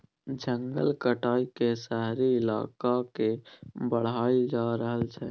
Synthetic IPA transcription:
d͡ʒə̃ŋɡə̰lkəʈʰaːikesɛɦɾiɪla̰ːkakebəɽ̤aːid͡ʒaɾəɦəlt͡ʃʰɛ

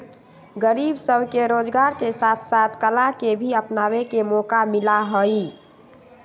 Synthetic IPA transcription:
ɡəɾibsəbkeɾod͡ʒɡaɾkesat̪ʰsat̪ʰkəlakebʱiəpnawekemɔkamilaɦəi

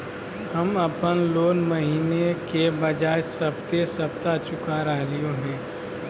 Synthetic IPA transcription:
hɐmɐpənloːnmɐɦiːnekebɐd͡ʒaːesɐb̚t̪esɐb̚t̪at͡ʃʊkaɾəɦlijõɦɛ̃ː

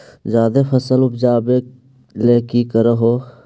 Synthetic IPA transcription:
zjaːd̪epʰəsəlʊpd͡ʒaːbe | leːkikəɾəɦoː

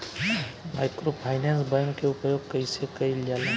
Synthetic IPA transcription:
majkɾopʰaɪnẽnsbãŋkeupəjoːɡ̚kəjsekəild͡ʒala

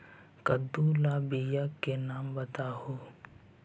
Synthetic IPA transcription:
kəd̪ulaːbijakːenaːmbət̪aːɦoː

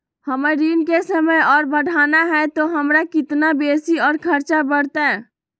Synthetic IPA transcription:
həməɾiːnkesəməjɔːɾbəɽ̤ʱaːnaɦɛt̪oɦəmɾakɪt̪nabeːsiɔːɾkʰəɾt͡ʃabəɽt̪ɛ

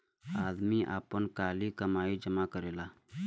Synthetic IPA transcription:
aːd̪miʔa̰ːpənkaːlikəmaːid͡ʒəmakəɾeːlaː

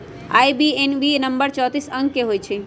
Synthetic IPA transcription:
a̰ːjbienʋinəmbəɾt͡ʃɔːt̪isə̃ŋɡkeɦoːjt͡ʃʰe

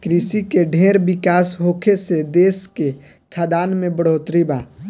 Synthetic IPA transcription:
kɾisikeɖʱẽːɾbɪkaːsɦoːkʰesed̪eːske | kʰaːd̪aːnmẽbəɽ̤oːt̪ɾibaː

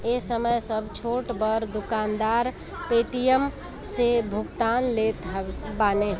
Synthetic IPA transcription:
esəməjsəbʱt͡ʃʰoʈbəɾd̪ukand̪aɾ | peʈijəm | sebʱʊkt̪anlet̪ɦbane

